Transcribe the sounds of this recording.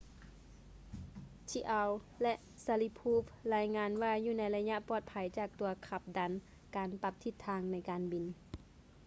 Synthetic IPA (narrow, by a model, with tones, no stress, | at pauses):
t͡ɕʰi˧ʔa˧w | lɛ˧˥ʔ | sa˧li˧pʰuː˧˥˩flaː˧jŋaː˧nwaː˧juː˧˩na˧˥jla˧ɲa˧ʔpɔː˧˩t̪̚pʰa˨˦jt͡ɕaː˧˩k̚t̪u˨˧ɐkʰa˧˩p̚da˧˦n | kaː˨npa˧˩p̚t̪ʰi˧˩t̪ʰːaː˧ŋna˧˥jkaː˨nbi˨n